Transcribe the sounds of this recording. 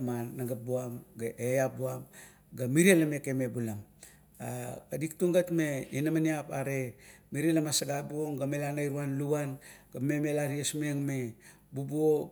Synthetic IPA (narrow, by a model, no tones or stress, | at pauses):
manːaɡabuamɡaʔejap̚buam | ɡamiɾelame̞kemebulam | akadiktuŋɡatmeinamaniapa̰ɾemiɾelamasaɡabuoŋɡamelanajɾuanluanɡame̞me̞laɾiasmeŋme | bubuo